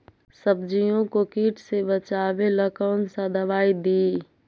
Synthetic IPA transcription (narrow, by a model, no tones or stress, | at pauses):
səbd͡ʒijõkokiːʈsebət͡ʃaːweləkəːnsad̪ʱəʋaːid̪iː